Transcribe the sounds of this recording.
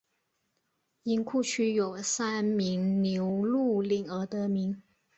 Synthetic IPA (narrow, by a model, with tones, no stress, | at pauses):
i˧˥ŋkʰu˥˩t͡ɕʰy˥jo˨˩ʊsa˥nmi˧˥ŋnjo˧˥ʊlu˥˩li˨˩ŋə˧˥t̪ɤ˧˥mi˧˥ŋ